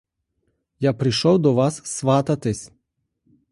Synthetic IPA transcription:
japɾɪʃɔwd̪ɔʋɑsːʋɑt̪ɐt̪ɪsʲ

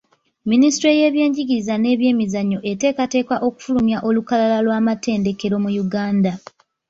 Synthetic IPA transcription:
ministɾo̞je̞ːβje̞ːɲɟiɟiizane̞ːβje̞ːmizaɲːo̞ʔe̞te̞ːkate̞ːkaʔo̞ku̥fulumjaʔo̞lukalalalwaːmate̞ːnde̞ke̞ɾo̞mujuɡaːnda

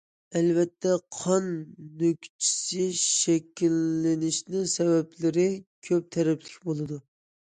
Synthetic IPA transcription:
ɛlvɛt̪ʰːɛqʰɑnːøkʲt͡ʃʰi̥sɪʃɛkʲilːɪnɪʃnɪŋsɛvɛplɪɾɪkʲʰøp̚t̪ʰɛɾɛplɪkʲbolˠɨd̪u

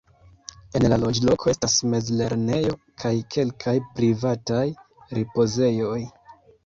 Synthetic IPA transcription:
e̞nlalo̞d͡ʒlo̞kʰo̞e̞stasme̞zle̞ɾne̞jo̞ | kʰajkʰe̞lkʰajpɾivataj | ɾipo̞ze̞jo̞j

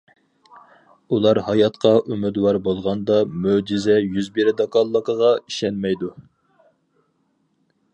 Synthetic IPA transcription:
ulˠɑɾhɑjɑt̪qʰɑʔymɪd̪wɑɾbolˠʁɑnd̪ɑmød͡ʒizɛjyzbiɾɪd̪ɑkɑlˠːəqəʁɑiʃɛnmɛjd̪u

